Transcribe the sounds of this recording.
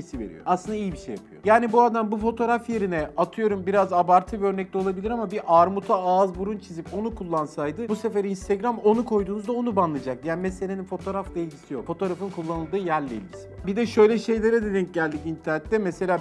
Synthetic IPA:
isive̞̰ɾijo̰asˠɯnd̪aijibiʃejːa̰pɯ̰jo̰jaːnibuad̪ambufo̞t̪ʰo̞ːɾafje̞ɾinɛat̪ʰɯjo̞ɾumbiɾazabaɾt̪ʰɯvɛøɾnɛc̚lʲɛo̞lˠabilʲiɾamabiʔaɾmut̪ʰaazbuɾunt͡ʃʰizipo̞nukʰulˠːansajd̪ɯbuse̞feɾiinst̪ʰeɟɾamo̞nukʰo̞jd̪uːnuzd̪aonubanlˠɯd͡ʒak̚d̪jaːnimese̞lʲeninfo̞t̪ʰo̞ːɾaft̪ˠejʲd͡ʒisijo̞kfo̞t̪oːɾafɯnkʰulˠːanɯlˠd̪ɯːjæɾlʲḛḭlʲɟisibid̪ɛʃø̞jlʲɛʃe̞jlʲe̞ɾɛd̪ed̪in̚ɟælʲd̪icint̪ʰæɾnɛt̪ːɛmese̞lʲaː

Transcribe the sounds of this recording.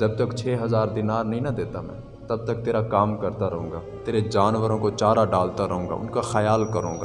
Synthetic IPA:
d͡ʒɐb̚t̪əkt͡ʃʰeːɦɐzaːɾd̪ɪnaːɾnəɦĩnɐd̪eːt̪amɛ̰̃ː | t̪ɐb̚t̪ək̚t̪eːɾakaːmkəɾt̪aɾɐɦõːŋɡaːt̪eːɾed͡ʒaːnʋəɾõkot͡ʃaːɾaɖaːlt̪aɾəɦõːŋɡa̰ːʊ̰nkaxəjaːlkəɾõːŋɡa

